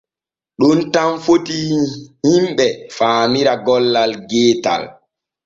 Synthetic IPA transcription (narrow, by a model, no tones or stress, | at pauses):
ɗuntamfotihimɓɛfaːmiɾaɡɔlːalɡeːta̰l